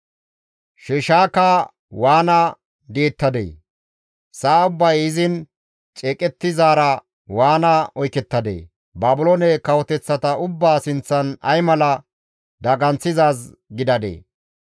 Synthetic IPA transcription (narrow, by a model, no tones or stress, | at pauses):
ʃɛʃaːkɐ | waːnɐ | d̪eːt̪ːɐd̪ḛː | saːʊbːɐjɪzɪn | t͡ʃʼɛːkʼɛt̪ːɪzaːɾɐ | waːnɐɔjkɛt̪ːɐd̪ḛː | baːbʊlonɛkɐwɔt̪ɛt͡sːɐt̪ɐʊbːaːsɪnt͡sːɐnɐ̰jmɐlɐ | d̪ɐɡɐnt͡sːɪzaːs | ɡɪd̪ɐd̪ḛː